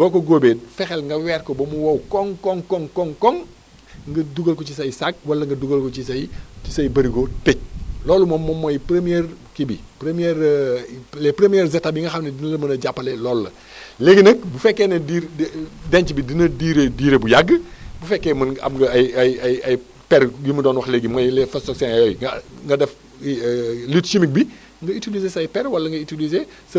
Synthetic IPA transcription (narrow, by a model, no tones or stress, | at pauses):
ɡɔːkɔɡobɛfɛxɛlŋɡɐwɛɾkɔbɐmuwɐwkɔŋkɔŋkɔŋkɔŋkɔŋ | ŋɡɐduɡɐlkɔt͡ʃisɐjisak̚wɐlɐŋɡɐduɡɐlkɔt͡ʃisɐjt͡ʃisɐjibɐɾikotec̚lɔːlumɔmːɔmːojipɾemiɛrkibḭpɾemijɛɾ | lɛpɾemijɛrzɛtːabiŋɡɐxɐmnedinɐlɐmɐnɐɟapːɐlelɔːlːɐ̰ | leɡinɐk̚bufɛkːɛnɐdiɾdɛɲt͡ʃibidinɐdiːɾediːɾebujaɡːəbufɛkːɛmɐnɐ̰mŋɡɐɐjɐjɐjɐj | pɛɾjumɐdɔːnwɐxleɡimɐjlɛfɐsɔksɛŋɐjɔjŋŋɡɐdɛf | litʃimik̚bi | ŋɡɐitilizesɐjpɛɾwɐlːɐŋɡɐitilize | sɐ